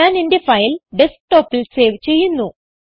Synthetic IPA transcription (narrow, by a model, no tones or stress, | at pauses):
aːninde̞fɐjilɖe̞sʈːo̞ːpːilseːʋt͡ɕe̞jːunːu